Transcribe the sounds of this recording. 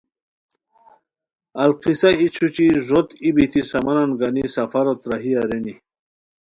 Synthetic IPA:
alqisait͡ɕʰut͡ɕiʐot̪ibit̪ʰisɐmananɡanisɐfaɾot̪ɾaɦiaɾeni

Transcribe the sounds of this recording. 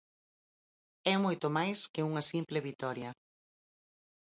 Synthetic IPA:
ɛmojt̪omajskɪuŋɐsimplɪβit̪ɔɾjɐ

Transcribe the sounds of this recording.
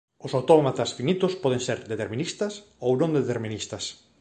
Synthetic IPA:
ʊsawt̪ɔmat̪ɐsfinit̪ʊspɔð̞eŋseɾd̪et̪eɾmĩnist̪ɐs | ownõŋd̪et̪eɾminist̪ɐs

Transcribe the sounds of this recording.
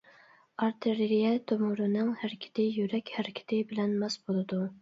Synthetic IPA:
ɑɾt̪ʰeɾɾijɛt̪ʰømʊɾɨnɨŋhæɾɪkʲʰɪ̥t̪ʰɪjyɾɛkʲhæɾɪkʲʰɪ̥t̪ʰɪbɪlɛnmɛsbolˠɨd̪u

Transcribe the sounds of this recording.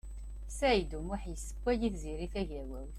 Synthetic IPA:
sæjd̪umʊħjəsːə̥kʷːæjiθziɾiθæʝæwæw

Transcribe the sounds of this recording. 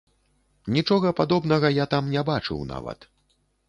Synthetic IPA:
nʲit͡ʂɔɣɐpad̪ɔbn̪ɐɣɐjat̪amnʲɛbat͡ʂɨ̰wna̰vɐ̰t̪

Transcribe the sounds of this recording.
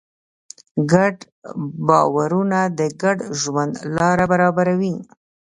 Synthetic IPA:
ɡaɖ | bɑwaɾunad̪əɡaɖʒwand̪lɑɾabaɾɑbaɾawi

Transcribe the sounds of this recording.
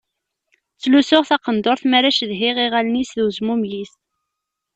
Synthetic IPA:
t͡sːlusʊʁθɑqənd̪oɾθmæɾæʃðɦiʁiʁælnisðuzmumjis

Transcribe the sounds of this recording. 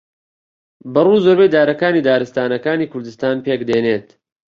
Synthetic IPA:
bɨruːzoːɾbejd̪aːɾɐkaːniːd̪aːɾɨst̪aːnɐkaːniːkʰʊɾd̪ɨst̪aːnpeːkd̪eːneːt̪

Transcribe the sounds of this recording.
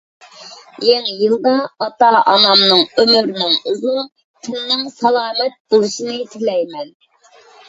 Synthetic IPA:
jeŋjɨlˠd̪ɑɑt̪ɑʔɑmɑmnɨŋømyɾnɨŋuzun | t̪ʰɪnːɪŋsɑlˠɑːmɛt̪̚bolˠɨʃinɨt̪ʰɪlɛjmɛn

